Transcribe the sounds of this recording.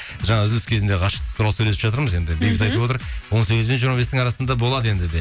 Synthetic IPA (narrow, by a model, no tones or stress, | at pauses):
ʒɑɴɑʏzlʏskʲʰe̞zɪnd̪eqʰɑʃə̥qd̪ʰʊɾɑlˠsɵjle̞sɪpʒɑt̪əɾməze̞nd̪ɪbejbɪt̪ɑjt̪əwo̞t̪əɾwonse̞ɡʲɪzbenʒiɾmɑbe̞st̪ɪŋɑɾɑsənd̪ɑbo̞lˠɑd̪əe̞nd̪ɪd̪e